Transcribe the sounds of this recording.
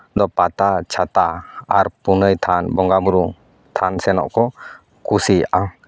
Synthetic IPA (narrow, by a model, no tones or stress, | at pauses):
d̪ɔpat̪at͡ʃʰat̪aaɾpunəjt̪ʰanbɔŋɡabuɾu | t̪ʰansɛnɔ̰ʔkʰɔ | kusia